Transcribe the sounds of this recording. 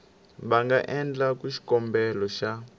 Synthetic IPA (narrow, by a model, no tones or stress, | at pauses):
βaŋɡaʔɛnd͡ɮakuʃi̥kɔmbɛlɔʃa